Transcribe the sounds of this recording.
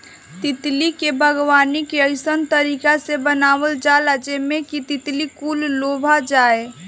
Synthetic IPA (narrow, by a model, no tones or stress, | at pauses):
t̪ɪt̪likebʱəɡwaːnikeəɪsənt̪əɾiːkasebənaːʋəld͡ʒalad͡ʒemẽkit̪ɪt̪likuːlːoːbʱad͡ʒaːe